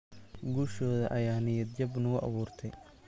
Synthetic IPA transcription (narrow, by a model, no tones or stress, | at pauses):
ɡuːʃɔːðɐ̰ʔɐjaːnɪjɐd̪d͡ʒɐbnʊɣʊʔɑ̰βuːrt̪ʰɛj